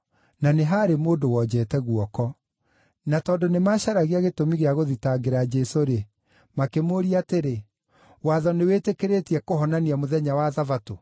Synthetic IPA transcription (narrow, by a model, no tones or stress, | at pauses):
naneɦaɾemoːdowɔd͡ʑɛːtɛɣuɔkɔ | natɔːdonemaɕaɾaɣeaɣetomiɣeaɣoðitaɡeɾad͡ʑɛsoɾe | makemoɾiateɾe | waːðɔnewetekeɾetiɛkoɦɔnaniamoðɛɲawaðavato